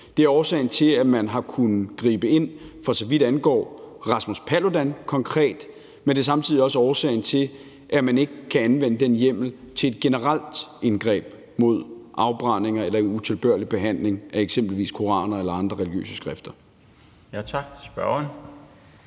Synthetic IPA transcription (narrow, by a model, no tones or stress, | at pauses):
d̥e̝æɐɒːsɛ̰ːɪn̩t͡sʰe̝æmænɦɑ̈kʰunð̩ˠɡ̥ʁḭːb̥əe̝n̰fɒ̽sɒ̽ʋid̥ænɡ̥ɒ̰ːʁɑ̈smuspʰælo̝d̥ænkʰɒ̽ŋkʰʁɛ̰ːd̥ | mend̥e̝sɑ̈mt͡sʰið̰ˠiɒ̽s̬əɒːsɛ̰ːɪn̩t͡sʰe̝ | ʔæmæne̝ɡ̥əkʰæænʋenəd̥enjem̰l̩ | t͡sʰe̝e̝d̥̚ɡ̥e̝nəʁal̰d̥enɡ̥ʁɛ̰ːb̥ | mo̝ð̞̰ˠʔɑ̈ʊb̥ʁɑ̈neŋɐelɐut͡sʰe̝lb̥ɶɐ̰lib̥e̝ɦæn̰le̝ŋʔæeɡ̥sem̰b̥l̩ʋḭːskʰo̝ʁɑ̰̈ːnɐelɐɑ̈nd̥ʁɐʁɛliɡ̥jø̰ːsəsɡ̥ʁɛfd̥ɐ | jæt͡sʰɑɡ̥̚sb̥ɶɐn